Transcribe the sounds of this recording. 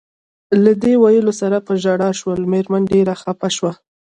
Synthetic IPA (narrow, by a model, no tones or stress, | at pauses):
lad̪ewajəlosaɾapəʒaɽɑʃwəlmeɾmanɖeɾaxapaʃwa